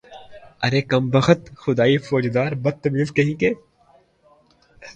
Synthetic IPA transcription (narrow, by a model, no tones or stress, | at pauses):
ɐɾeːkɐmbɐxət̪xʊd̪aːifoːd͡ʒd̪aːɾbɐd̪̚t̪ːɐbiːlkɐɦĩːkeː